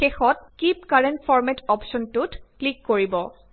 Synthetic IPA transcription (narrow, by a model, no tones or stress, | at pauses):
xexɔt̚kip̚kaɹentfʰɔɹmɛtɔpʃɔntʊtklikːoɹibɔ